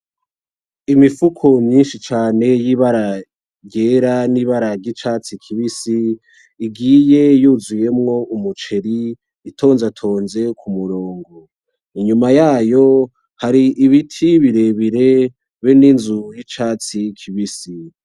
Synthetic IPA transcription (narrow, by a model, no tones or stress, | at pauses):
imifukʰomɲiːnʃit͡ʃaːne̞jiβaɾa | ɟeːɾaniβaɾaɾɟit͡ʃaːt͡sikʰiβisiː | ɡiːje̞juzuje̞mŋo̞ʔumut͡ʃe̞ɾiː | tʰo̞ːnzatʰo̞ːnze̞kʰumuɾoːŋɡo | iɲumajaːjo̞ | haɾiʔiβitʰiβiɾe̞βiɾe̞ | βeninzujit͡ʃaːt͡sikʰiβisi